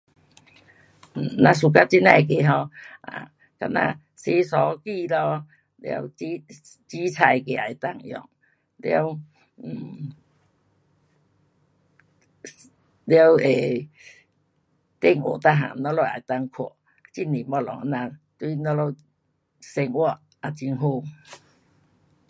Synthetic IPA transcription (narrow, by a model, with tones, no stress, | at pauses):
nã˧s̬u˨˧˩ka˦t͡ɕi˦nã˧˩˨k̬e˧˨ɦɔ˧a̰˨ | ka˧na̰˧ | se˧sɔ˨˦ki˥˧˨lɔ˧ | lja̰˧wi˦ | t͡ɕi˦t͡sʰa˧jke˧˩a˨jt̪a˦˧˨ŋjɔ̰˨˩ŋ | lja˧˦w | m̩˨˩ | ljwe˨˩ | t̪e˧ŋo̰˨˩t̪a˧ɦa̰˨nɔ˧˦lo˧˨ʔa̰˨˩jt̪a˧ŋkʰɔ˨˩˨ | t͡ɕi˧˩ni˨˩mɔ˧˨lɔ̰˨ŋ˧˦nã˧t̪wi˦nɔ˧˦lo˧ | se˧ŋwɔ˧˨ | a˨˩t͡ɕi˧ŋɦu˧˨